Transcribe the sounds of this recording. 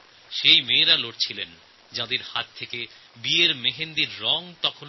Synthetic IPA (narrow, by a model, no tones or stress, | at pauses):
ʃejmeːɾaloʈ̚t͡ɕʰilen | d͡ʑad̪eɾhat̪̚t̪ʰːeke | bieɾmeɦend̪iɾːɔŋt̪ɔkʰon